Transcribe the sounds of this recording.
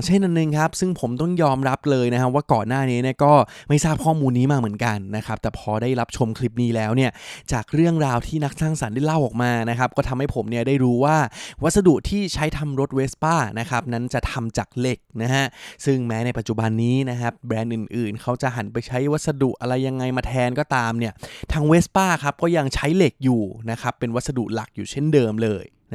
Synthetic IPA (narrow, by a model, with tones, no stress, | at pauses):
ŋt͡ɕʰe˥˩nʔa˧nːɯ˧ŋkʰa˦˥p̚sɯ˥˩ŋpʰo˩˦mt̪ɔ˥˩ŋjɔː˧mɾa˦˥p̚lɤː˧jna˦˥kʰa˦˥waː˥˩kɔː˨˩nːaː˥˩niː˦˥ni˥˩kɔː˥˩ma˥˩jsaː˥˩p̚kʰɔː˥˩muː˧nːiː˦˥maː˥˩k̚mɯ˩˦ənka˧nːa˦˥kʰa˦˥p̚t̪ɛː˨˩pʰɔː˧daː˥˩jɾa˦˥p̚t͡ɕʰo˧mkʰli˦˥p̚niː˦˥lɛː˦˥wni˥˩ɐt͡ɕaː˨˩k̚ɾɯ˥˩əŋɾaː˧wt̪ʰiː˥˩na˦˥k̚saː˥˩ŋsa˩˦ndaː˥˩jla˥˩wʔɔː˨˩k̚maː˧na˦˥kʰa˦˥p̚kɔː˥˩t̪ʰa˧mha˥˩jpʰo˩˦mni˥˩ɐdaː˥˩jɾuː˦˥waː˥˩wa˦˥t̪̚sa˧du˨˩ʔ̚t̪ʰiː˥˩t͡ɕʰa˦˥jt̪ʰa˧mɾo˦˥t̪̚weː˦˥spaː˥˩na˦˥kʰa˦˥p̚na˦˥nt͡ɕa˨˩t̪ʰa˧mt͡ɕaː˨˩k̚le˨˩k̚na˦˥ɦʰa˦˥sɯ˥˩ŋmɛː˦˥na˧jpa˨t̪̚t͡ɕu˨˩ba˧nːiː˦˥na˦˥kʰa˦˥p̚bɾɛː˧nʔɯ˨˩nʔɯː˨˩nkʰa˦˥wt͡ɕa˨˩ʔɦa˩˦npa˧jt͡ɕʰa˦˥jwa˦˥t̪̚sa˧du˨˩ʔa˧ɾa˧jːa˧ŋːa˧jmaː˧t̪ʰɛː˧nkɔː˥˩t̪aː˧mni˥˩ɐt̪ʰaː˦˥ŋweː˦˥spaː˥˩kʰa˦˥p̚kɔː˥˩ja˧ŋt͡ɕʰa˦˥jle˨˩k̚juː˨˩na˦˥kʰa˦˥pːe˧nwa˦˥t̪̚sa˧dṵ˨˩ʔ̚la˨˩k̚juː˨˩t͡ɕʰe˥˩ndɤː˧mlɤː˧j | n˦˥